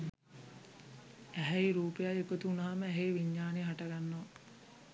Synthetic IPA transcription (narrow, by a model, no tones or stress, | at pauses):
æɦɛiɾuːpejaekot̪uunɐɦaməæɦejʋiɲːaːneɦaʈaɡanːoʋa